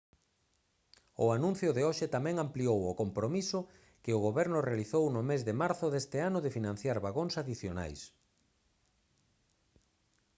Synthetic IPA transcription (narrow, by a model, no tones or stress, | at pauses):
ʊ̰anũn̟θjʊðeoʃɪt̪amɛ̃ŋampliowʊkompɾomisʊ | kɪʊɣoβɛɾnʊrealiθownʊmezðɪmaɾθʊðest̪ɪanʊðɪfinãn̟θjaɾβaɣoŋsaðiθjona̰js